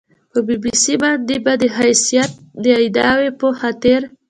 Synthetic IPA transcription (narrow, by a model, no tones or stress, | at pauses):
pəbibisibɑnd̪ebad̪əɦajsijat̪̚d̪əajd̪ɑwepəxat̪əɾ